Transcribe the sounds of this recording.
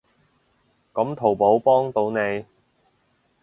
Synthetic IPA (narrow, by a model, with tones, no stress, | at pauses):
kɐ˨˥mt̪ʰo˨˩wpo˨˥wpɔː˥ŋt̪o˨˥wne˨˧j